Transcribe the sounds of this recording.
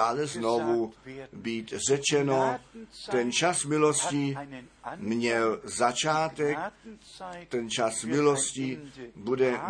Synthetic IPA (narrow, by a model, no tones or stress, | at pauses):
aːlɛznovubiːt̪rɛt͡ʃɛnot̪ɛnt͡ʃasmɪloscɪ | mɲɛlzat͡ʃaːt̪ɛk | t̪ɛnt͡ʃasmɪloscɪbudɛ